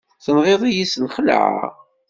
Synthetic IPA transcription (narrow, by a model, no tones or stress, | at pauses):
θənʁeðˤijisnχəlʕa̰